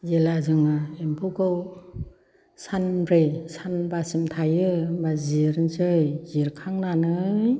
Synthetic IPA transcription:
zelazɯŋɯempʰukʰɯw | sanbɾesanbasimtʰajɯbaziɾɯnsɯjziɾkʰaŋnanɯj

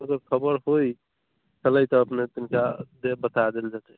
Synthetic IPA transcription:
əɡəɾkʰəbəɾɦoj | t͡ʃələjt̪ɔːpnet̪inkad̪ebət̪ad̪eld͡ʒat̪ɛ

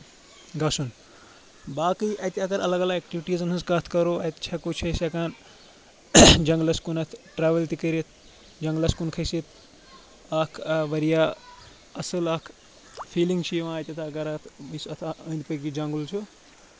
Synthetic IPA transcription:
ɡɐsun | baːkɨjʔɐt̪ʲiɐk̪ɐɾɐ̰lɐɡɐlɐɡek̚ʈiʋiʈizɐnɦɐ̃nzkaːt̪ʰkɐɾoɐt̪t͡ʃʰɐkut͡ʃʰɐsɐkaːn | d͡ʒɐŋɡlɐskunɐt̪ʰʈɾaːʋelt̪ikɐɾit̪̚ʰ | d͡ʒɐŋɡlɐskunkʰɐsit̪ʰ | aːkʰʋɐɾijaː | ɐsɐlakʰ | pʰiːliŋɡt͡ʃʰiʋãɐt̪ʲɐt̪ʰaɡɐɾat̪ʰbisɐt̪ʰaɐːnd̪pɐkid͡ʒɐŋɡult͡ʃʰu

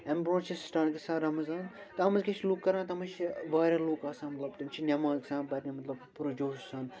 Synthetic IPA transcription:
ɐmbɾõːt͡ʃʰisʈaːʈɡisãːɾɐmɐzaːn | t̪ɐmɐzkʲet͡ʃʰlukːɐɾãːt̪ɐmɐt͡ʃʰiʋaːɾʲaːloːkaːsãːmɐt̪lɐbt̪ɨnt͡ʃʰinʲɐmãːksãːbɐɾnʲimɐt̪lɐbpuɾɐd͡ʒoːssãːn

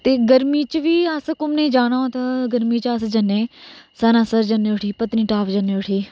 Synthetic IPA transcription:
t̪eːɡəɾmiːt͡ʃʋiːəskʊmneːd͡ʒaːnãːoːt̪aːɡəɾmiːt͡ʃəsd͡ʒənːeːsənãːsəɾd͡ʒənːeːʊʈʰiːpət̪nĩːʈaːpd͡ʒənːeːʊʈʰiː

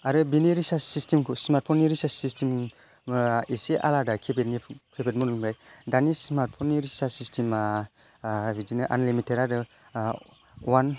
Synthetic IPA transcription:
aɾɯbiniɾisasistimkʰusmaɾt̚pʰɔniɾisassistʰim | iseʔa̰ladakʰebetnikʰebet̚munumɾajdanismaɾt̚pʰɔniɾisasistʰim | bidinɯʔa̰nlimiteɾaɾɯ | wan

